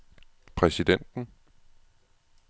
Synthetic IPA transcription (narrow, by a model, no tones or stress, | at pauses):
pʰʁɛsid̥en̰d̥n̩